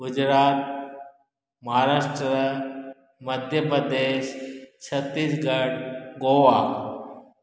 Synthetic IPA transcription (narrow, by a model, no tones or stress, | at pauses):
ɡʊd͡ʒɾaːt̪̚ | mɐɦaɾaːʃʈɾ | məd̪ʱjəpɾəd̪eːʃt͡ʃʰɐt̪ːiːsɡɐɽɡoʋa